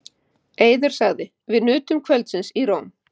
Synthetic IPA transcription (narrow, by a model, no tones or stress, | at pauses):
eːjðaɾ̥saɣðɪ | vɪðnʏːt̪ʏmkʰvœlt̪sɪnsiɾowm